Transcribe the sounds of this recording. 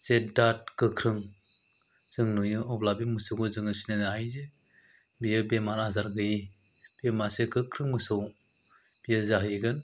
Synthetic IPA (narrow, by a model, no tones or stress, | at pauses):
set̚dat̚kɯkʰɾɯŋ | z̥ɯŋnujɯɔplabimɯsɯwɡɯzɯŋɯsinenaɦajze | bijɯbemaɾazaɾɡɯji | b̥emasekɯkʰɾɯŋmɯsɯw | b̥ijɯzaɦiɡɯn